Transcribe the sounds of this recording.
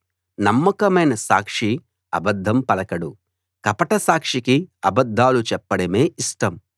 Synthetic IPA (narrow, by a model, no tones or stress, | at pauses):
nɐmːɐkɐmɐjnɐsa̰ːkʂi | ɐ̰bɐd̪ʱːɐmpɐlɐkɐɽu | kɐpɐʈɐsaːkʂikiɐbɐd̪ʱːaːlut͡ʃɛpːɐɽɐme̞ːʔisʈɐm